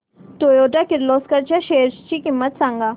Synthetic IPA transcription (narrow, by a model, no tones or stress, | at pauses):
t̪oːjoːʈakɪɾloːskɐɾt͡ʃaʃeːɾt͡ʃt͡ʃikimːət̪sãŋɡa